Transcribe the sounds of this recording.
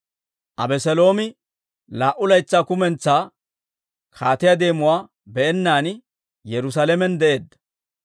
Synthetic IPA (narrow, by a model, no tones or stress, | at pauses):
ʔɐbɛsɛlo̞ːmɪ | laːʔʊlɐjt͡sːaːkʊmɛnt͡sːaː | kʰaːt̪ɪjad̪e̞ːmʊwaː | bɛʔɛnːaːn | jɛɾʊs̬aːlɛmɛnd̪ɛʔe̞ːd̪ːɐ